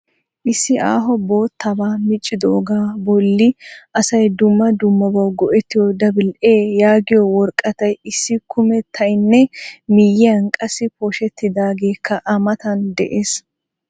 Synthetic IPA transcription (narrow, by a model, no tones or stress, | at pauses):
ʔɪsːɪʔaːɦɔbo̞ːt̪ːɐbaːmɪt͡ʃʼːɪd̪oʔːɡaːbɔlːɪʔɐsɐjd̪ʊmːɐd̪ʊmːɔbɐwɡɔʔɛt̪ːɪjɔd̪ɐbɪlʔeːjaːɡɪjɔwɔɾkʼːɐt̪ɐjɪsːɪkʰʊmɛt̪ʰːɐjnːɛmɪjɛɐnkʼɐsɪpɔʃɛt̪ːɪd̪aːɡe̞ːkʰːɐʔɐmɐt̪ɐnd̪ɛʔe̞ːs